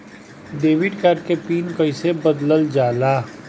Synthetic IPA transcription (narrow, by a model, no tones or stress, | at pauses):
ɖeːʋɪɖkaːɾɖkepiːnkəɪsebəd̪ləld͡ʒaːlaː